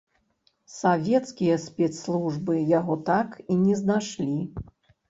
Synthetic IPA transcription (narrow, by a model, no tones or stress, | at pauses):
savʲɛt̪skʲijɐsʲpʲɛt̪slˠuʐbɨjaɣɔt̪akinʲɛznaʂlʲi